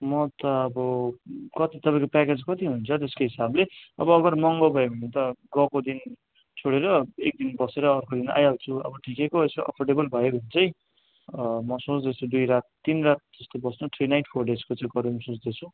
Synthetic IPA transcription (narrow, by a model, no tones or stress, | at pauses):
mʌt̪ʌːbʌkʌt̪it̪ʌpaĩkopaked͡zkʌt̪iɦununt͡sʰʌt̪eskoɦisableʌ̰bʌːɡʌrmʌŋɡʌbʱʌebʱʌnit̪ʌɡʌkod̪in | t͡sʰoɽeɾʌek̚d̪inbʌseɾʌːrkod̪ina̰jʌlt͡sʰuʌ̰bʌʈʰikekoeskoʔʌ̰pʰorɖebʌlbʱʌjobʱʌnt͡sʌj̃ | mʌsõt͡sd̪et͡sʰũd̪ujɾat̪̚ːinrat̪̚d͡zʌst̪obʌsnuʈʰrinajʈpʰorɖed͡zkot͡saĩɡʌɾumsõt͡sd̪et͡sʰũ